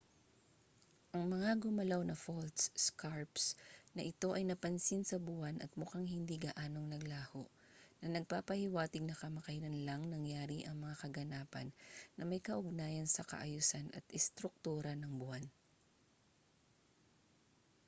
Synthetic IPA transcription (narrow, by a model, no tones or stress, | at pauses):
ʔɐŋmɐŋaɡʊmɐlawnɐfolt̪sskʰaɹpsnɐʔɪt̪o̞ʔɐjnɐpɐnsinsɐbʊanʔɐ̰t̪̚mʊkaŋhɪnd̪iɡɐʔaːno̞ŋnɐɡlaːhoʔ | nɐnɐɡ̚papɐhɪwaːt̪ɪɡ̚nɐkɐmɐkɐnɐnlɐŋnɐŋjaːɾiʔɐŋmɐŋakɐɡɐnaːpɐ̰nːɐmɐjkɐʔʊɡ̚naːjɐnsɐkɐ̰ʔɐjusanʔɐ̰t̪ɪst̪ɾʊk̚t̪uːɾɐnɐŋbʊan